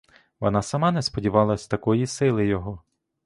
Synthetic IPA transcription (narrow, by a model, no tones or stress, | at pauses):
ʋɔnɑsɐmɑnɛspɔdʲiʋɑlˠɐsʲt̪ɐkɔjisɪlˠɪjɔɦɔ